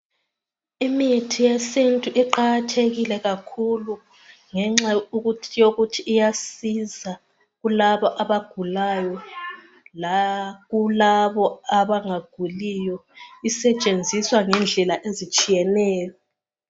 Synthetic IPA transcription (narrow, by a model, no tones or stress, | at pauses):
imitʰijesintʼuʔiǃaɣatʰeɣilɛɣakʰulu | ŋɛŋ͡ǁauɣutʰijoɣutʰiːjasiza | ɣulaβɔʔaβaɡ̥ʱulajɔ | laɣulaβɔaβaŋaɡ̥ʱulijɔisɛt͡ʃʼend͡zʱiswaŋɛnd͡ɮʱɛlaʔezit͡ʃʼijɛnɛːjɔ